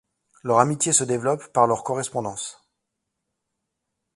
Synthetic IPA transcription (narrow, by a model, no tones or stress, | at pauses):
lœʁamit̪jesəd̪evlɔpːaʁlœʁkɔʁɛspɔ̃d̪ɑ̃s